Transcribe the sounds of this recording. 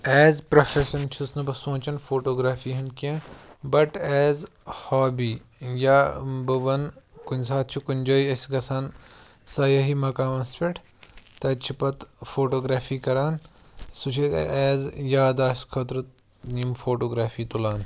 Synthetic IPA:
ɛːzpɾɐfʰeʃɐnt͡ʃʰusnɐpɐsõːt͡ʃɐnfʰoːʈoːɡɾaːfiːɦɐnkiẽbɐʈɛːzhɔːbiːjaːbɐʋɐnkʊnʲsaːt̪̚t͡ʃʰikunʲd͡ʒɐːiɐsɡɐsan | sɐjɐɦimɐkaːmɐspeʈʰ | t̪ɐt͡ʃʰipɐt̪foːʈoːɡɾaːfʰiːkɐɾaːn | sut͡ʃʰḭɛːzjaːd̪aːʃkʰɐt̪ɾɨt̪ | nimfoːʈoːɡɾaːfʰiːt̪ulaːn

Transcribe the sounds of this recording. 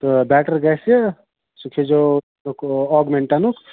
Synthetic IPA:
t̪ɔbɛʈəɾɡase | sukʰed͡ʒo | ukɔɡmeɳʈanuk

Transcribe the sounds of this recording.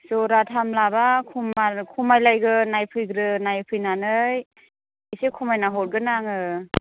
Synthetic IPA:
sɔɾatʰamlabakʰumakʰumajlajɡɯnajpʰɯjɡɾɯnajpʰɯjnanɯj | isekʰumajnaɦɔɾ̚ɡɯnaŋɯ

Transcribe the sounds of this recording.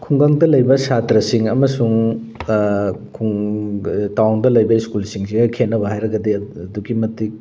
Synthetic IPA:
kʰuŋɡaŋdɐlɐjbɐsatɾɐsiŋɐmɐsuŋ | kʰuŋ | tawŋdɐlɐjbɐiskulsiŋsiɡɐkʰenːɐβɐɦajɾɐɡɐdiɐduɡimɐtik̚

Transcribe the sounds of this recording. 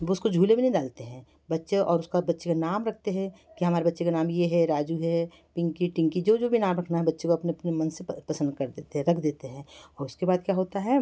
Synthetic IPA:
ʋoʊskod͡ʒʱuːlebʱinɐ̃ĩɖaːlt̪eɦɛ̃ː | bɐtːʃeʔɔ̰ːɾʊskabɐtːʃekanaːmɾɐk̚ʰt̪eɦɛ̃kiɦɐmaːɾebɐtːʃekanaːmjeɦɛɾaːd͡ʒuɦɛ | pɪ̃ŋkiʈɪ̃ŋkid͡ʒoːd͡ʒoːbʱinaːmɾɐkʰnaɦɛbɐtːʃẽkoɐpneɐpnemɐ̃nsepɐsə̃nd̪kɐɾd̪eːt̪eɦɛ̃ɾɐkʰd̪eːt̪eɦɛ̃ːɔːɾʊskebaːd̪̚kjaːɦoːt̪aɦɛ

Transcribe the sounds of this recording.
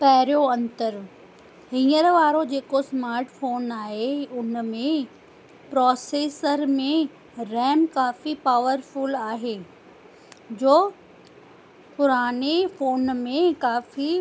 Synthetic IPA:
pɐɦɾjoɐ̃nt̪əɾ | ɦĩːəɾʋaːɾod͡ʑeːkosmaːɾʈfoːnaːɦeʊnmẽ | pɾɔːseːsəɾmẽ | ɾɛːmkaːfipaːʋəɾfʊlaːɦeː | d͡ʑoː | pʊɾaːnefoːnmẽkaːfi

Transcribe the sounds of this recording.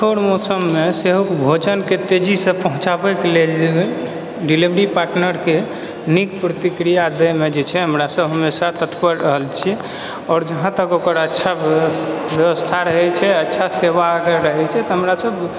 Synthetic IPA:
t͡ʃʰoɽmɔsəmːeseɦukbʱod͡ʒənket̪ed͡ʒisə̃pəɦũt͡ʃabɛkelel | ɖilibɾipaɾʈnəɾke | nikpɾət̪ikɾijad̪əmed͡ʒet͡ʃʰɛɦəmɾasəbɦəmːesat̪ət̪pəɾɾəɦəlt͡ʃʰi | ɔːɾd͡ʒəɦãt̪əkokəɾətːʃʰa | bjəʋəst̪ʰaɾəɦɛt͡ʃʰɛətːʃʰaseʋaːɡəɾəɦɛt͡ʃʰɛt̪ɔɦəmɾasəb

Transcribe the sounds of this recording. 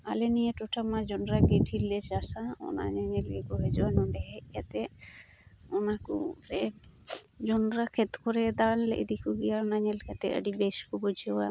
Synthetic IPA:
alenijeʈɔʈʰamad͡ʒɔnɾaɡiʈʰilet͡ʃasaɔ̰na̰ɲaɲelkekuɦed͡ʒɔwanɔɳɖɛɦɛʔjat̪ɛ | ɔnakṵɾɛ | d͡ʒɔnɾakʰɛt̪kʰɔɾɛd̪anlḛʔd̪ikʰuɡijaɔnaɲɛlkat̪ɛ̰ə̰ɖibeskubɔd͡ʒʱɛwa̰

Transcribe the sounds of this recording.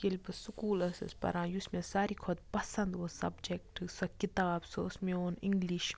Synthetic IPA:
kelpɨsukuːlɐsɐ̰spɐ̰ɾãːjusmẽsaːɾikʰɔd̪̚pɐsɐ̃nd̪osɐ̰bd͡ʒek̚ʈɨsɐkit̪aːbsosmẽoːnɪ̃ŋɡliʃ

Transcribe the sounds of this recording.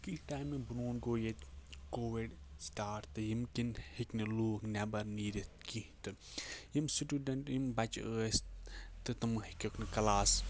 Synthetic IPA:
kiʈaːjmibɨnoːnɡoːjet̪koːʋiɖ | sʈaːɾt̪ɨjimkinhiknɨluːknɛbɐɾniːɾit̪kit̪ɨjimsiʈuːɖɐɳʈjimbɐt͡ʃəːst̪ɨt̪ɨmɨhikʲɐkʰnɨkɐlaːs

